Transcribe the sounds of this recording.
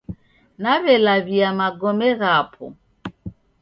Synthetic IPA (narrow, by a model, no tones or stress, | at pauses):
naβɛlaβiamaɡɔmɛɣapʰɔ̰